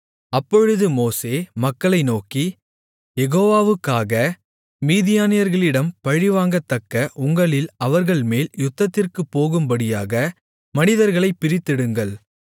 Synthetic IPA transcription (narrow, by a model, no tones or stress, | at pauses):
ɐpːɔɻɯðɯmoːseːmɐkːɐɭɐɪnoːki | jɛɣoːʋaːʋɯkːaːɣɐ | miːðɪjaːnɪjɐɾɣɐɭɪɽɐmpɐɻɪʋaːŋɡɐt̪ːɐkːɐʔʊŋɡɐɭɪlɐʋɐɾɣɐɭmeːljʊt̪ːɐt̪ːɪrkɯpːoːɣɯmbɐɽɪjaːɣɐ | mɐnɪðɐɾɣɐɭɐɪpːɪɾɪt̪ːɪɽɯŋɡɐɭ